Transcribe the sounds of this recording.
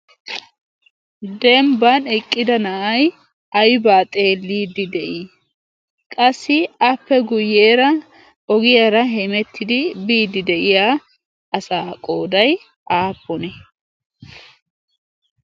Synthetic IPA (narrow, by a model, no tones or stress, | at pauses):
d̪ɛmbɐnɛkʼːɪd̪ɐnɐʔɐj | ɐjbaːt̪ʼeːlːiːd̪ɪd̪ɛʔi | kʼɐsːɪɐpːɛɡʊjːeːɾɐ | ʔɔɡɪjɐɾɐɦɛmɛt̪ʰːɪd̪ɪbiːd̪ɪd̪ɛʔɪjaː | ʔɐsaːkʼo̞ːd̪ɐj | ʔaːpːɔnɛ